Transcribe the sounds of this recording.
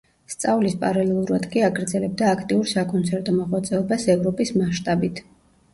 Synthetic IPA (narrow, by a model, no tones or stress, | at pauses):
st̪sʼavlispʼaɾalɛlˠuɾad̪kʼiaɡɾd̪zɛlɛb̚d̪aːkʰt̪ʼiuɾsakʼɔnt̪sʰɛɾt̪ʼɔmaʁwat̪sʼɛɔbasɛvɾɔpʼismaʃt̪ʼabit̪ʰ